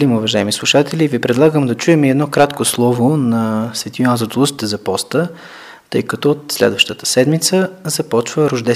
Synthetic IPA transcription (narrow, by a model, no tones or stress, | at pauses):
limʊvɐʒaɛmislˠuʃat̪ɛlʲivipɾɛd̪lˠaɡəmd̪ɐt͡ʃuɛmɛd̪nɔkɾat̪koslˠɔvonɐsvɛt̪ʲinanzət̪olˠusi̥t̪ɛzɐpɔst̪ə | t̪ɤjkɐt̪ɔot̪slɛ̰d̪vəʃt̪ət̪ə̥sɛd̪mit̪səzɐpɔt͡ʃvəɾʊʒd̪ɛ